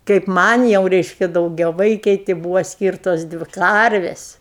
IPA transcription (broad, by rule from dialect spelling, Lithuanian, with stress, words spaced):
kɐɪp ˈmɐnʲ jɛʊ ˈrʲɛɪʃʲkʲɛ dɐʊɡʲɛˈʋɐɪkʲɛɪ tʲɪ ˈbuːʋoː ˈsʲkʲiːrtoːs ˈdʲʋʲɪ ˈkɐrʲʋʲeːsʲ